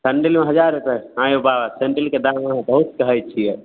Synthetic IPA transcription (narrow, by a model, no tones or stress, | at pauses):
səɳɖelmeɦəd͡ʒaɾet̪əãjobaʋaseɳʈəlked̪aməɦãbəɦut̪kəɦɛt͡ʃʰijɛ